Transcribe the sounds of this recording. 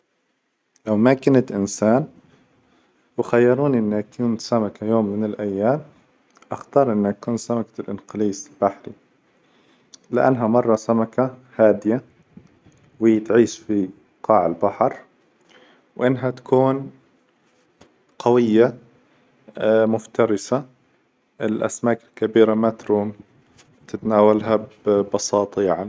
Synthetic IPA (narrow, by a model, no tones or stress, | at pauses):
lawmakɪnat̪ʔɪnsaːn | wɪxajːɑɾˤuːnʔɪnːakuːnt̪samakajoːmːɪnɪlʔajːaːm | ʔaxt̪ɑːɾˤʔɪnːhakuːnsamakḁlʔɪnqɪliːslbaħɾḭ | lɪʔa̰nːɦamɑrˤːɑsamakahaːd̪ɪja | wɪjːt̪ʕiːʃfi | qɑːʕalbaħɑɾˤ | wʔɪnːɦat̪ḁkuːn | qɑwɪjːa | mʊft̪ɑɾɪsa | ʔɪlʔa̰smaːkɪlkabiːɾamat̪ɾuːm | t̪ɪt̪naːwalɦabbɑsɑːt̪ˤɑjaʕni